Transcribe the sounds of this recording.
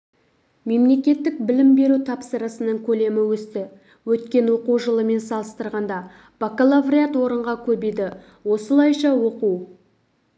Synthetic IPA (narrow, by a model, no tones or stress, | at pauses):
me̞mle̞kʲe̞t̪ːɪk̚bɪlɪmbe̞ɾut̪ʰɑpsəɾəsənəɴkʲʰɵle̞mɪwɵst̪ɪ | wɵt̪kʲe̞nwo̞quwʒəlˠəme̞nsɑlˠəst̪əɾʁɑnd̪ɑ | b̥akolˠavrʲiat̪wo̞ɾəɴʁɑkʲʰɵbejd̪ɪ | wo̞səlˠɑjʃɑwo̞quw